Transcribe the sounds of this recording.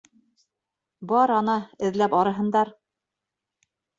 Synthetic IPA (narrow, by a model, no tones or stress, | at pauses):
bɑɾɑnɑɘ̆ðlæpɑɾɤ̆ɦɤ̆nd̪ɑɾ